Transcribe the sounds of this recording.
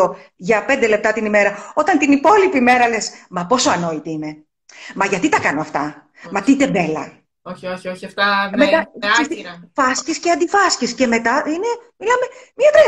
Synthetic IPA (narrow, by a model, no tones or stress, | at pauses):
oʝɐpe̞nd̪ele̞p̚t̪ɐt̪inime̞ɾɐo̞t̪ɐnt̪inipo̞lipime̞ɾɐle̞smɐpo̞soɐno̞it̪iine̞ | mɐʝɐt̪it̪ɐkɐnoɐft̪ɐ | mɐt̪it̪e̞be̞lɐ̰ | oioçioçiɐft̪ɐmet̪ɐsest̪ifɐscisceɐnd̪ifɐscisce̞me̞t̪ɐʔine̞milɐme̞mɐt̪ɾɐ